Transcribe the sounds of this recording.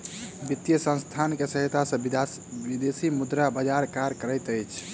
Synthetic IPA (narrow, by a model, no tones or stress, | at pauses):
bit̪jəsə̃nst̪ʰankesəɦit̪asə̃ | bid̪esimud̪ɾabəd͡ʒaɾkaɾkəɾəɪt̪əjt͡ʃʰ